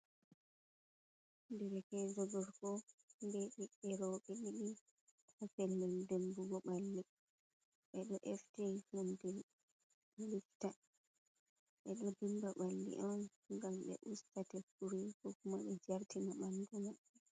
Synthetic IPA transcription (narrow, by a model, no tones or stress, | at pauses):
ndɛɾɛkɛd͡ʒɔɡɔɾkɔndɛɓiɓɛɾɔɓɛɗiɗi | hafɛlːɛndembuɡɔɓalːi | ɓɛɗɔʔɛftihundɛ | lifta | ɓɛɗɔdimbaɓalːḭʔɔn | ŋɡamɓɛ̰ʔustatɛfuɾikɔkumaɓɛd͡ʒaɾtimaɓanduma